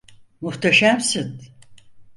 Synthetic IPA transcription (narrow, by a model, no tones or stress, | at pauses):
muht̪ʰaʃamsɨn